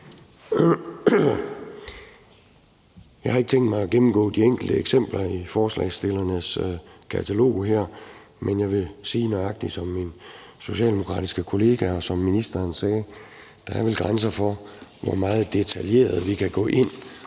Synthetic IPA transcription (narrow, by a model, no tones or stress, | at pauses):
jɑ̈ɪhɑ̈eɡ̥ə̥t͡sʰeŋ̰d̥mɑ̈ɪɒɡ̥emm̩ɡ̥ɔ̰̽ːd̥ieŋ̰ɡ̥l̩d̥əeɡ̥sem̰b̥lɐifɒːslɛ̰ɪsd̥e̝lɐnəskʰæt͡sʰælo̝̰ːɦæɐ̰ | menjɑ̈ɪʋe̝siːnɒɑ̈ɡ̥̚d̥i̥sɒ̽mːin | so̝ɕɛ̰ːld̥e̝mo̝kʰʁɑ̈ːd̥isɡ̥əkʰo̝le̝ːɡ̥æɒ̽sɒ̽mːinisd̥ɐnsɛː | d̥ɑ̈æɐʋelɡ̥ʁans̬ɐfɒ̽ʋɒmɑ̈ːð̞̩ˠd̥e̝t͡sʰælje̝̰ːɐð̞̩ˠʋikʰæɡ̥ɔ̰̽ːʔe̝n̰